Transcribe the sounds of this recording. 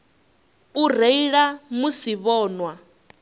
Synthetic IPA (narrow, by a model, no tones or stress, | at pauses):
ureiɺamusiβɔːnwa